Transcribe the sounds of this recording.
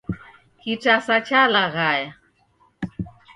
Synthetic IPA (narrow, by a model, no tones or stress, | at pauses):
hiʈ͡ʂasat͡ʃʰalaɣaja